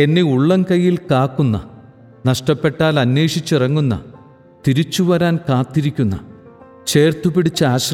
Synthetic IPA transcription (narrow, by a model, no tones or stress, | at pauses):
e̞nːeuɭːɐnkɐjːilkaːkːunːɐ̰ | nɐʂʈɐpːe̞ʈːaːlɐnːeːʂit͡ɕːirɐŋːunːɐ̰ | t̪iɾit͡ɕːuʋɐɾaːnkaːt̪ːiɾikʲːunːɐ̰ | t͡ɕe̞ːrt̪upiɽit͡ɕːɐaːɕ